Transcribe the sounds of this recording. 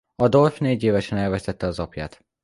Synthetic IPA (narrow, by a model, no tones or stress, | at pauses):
ɒd̪o̞lfneːɟeːvɛʃɛnɛlvɛst̪ɛt̪ːɛɒzɒpja̰ːt̪